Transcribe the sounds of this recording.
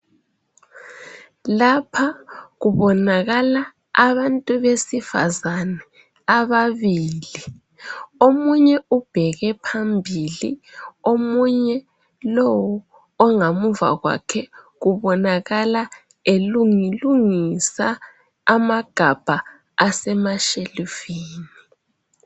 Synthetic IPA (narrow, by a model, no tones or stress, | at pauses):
lapʰaɣuβɔnaɣala | a̰βantʼuβesifa̰zanɛ | aβaβiːli | omuɲɛub̥ʱɛɣɛpʰambʱilḭomuɲɛ | lɔwɔː | ŋamuva̰ɣwa̰kʰɛ | ɣuβɔnaɣala | eluŋiluŋisaː | maɡ̥ʱab̥ʱa | asɛmaʃelifiːni